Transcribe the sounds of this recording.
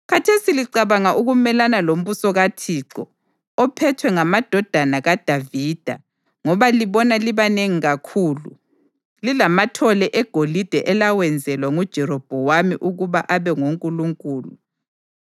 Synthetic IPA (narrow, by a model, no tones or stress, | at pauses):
ɣatʰesiliǀaβaŋaʔuɣumɛlanalom̩βusɔɣatʰiǀɔ | ɔpʰɛtʰwɛŋamad̥ʱɔd̥ʱanaɣad̥ʱavid̥ʱa̰ | ŋɔβaliβɔnaliβaneŋiɣakʰuːlṵ | lilamatʰɔlɛʔɛɡ̥ʱolid̥ʱɛʔɛlawɛnd͡zʱɛlwaŋud̥ʒ̥ʱɛɾɔb̥ʱɔwamiʔuɣuβaʔaβɛŋoŋkʼuluŋkʼuːlṵ